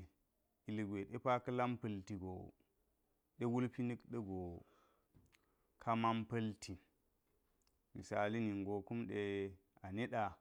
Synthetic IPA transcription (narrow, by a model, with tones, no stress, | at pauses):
i˨lɡʷe˨ɗe˦pa˦kɐ˦la˦mpɐ˨lti˨ɡo˨ | ɗe˦wu˦lpi˦ni˦kɗe˦ɡo˨ | kʰa˦ma˦mpɐ˦ltʰi˨ | mḭ˨sa˨li˦ni˨ŋɡo˨ku˦mɗe˦a˨ne˦ɗa˨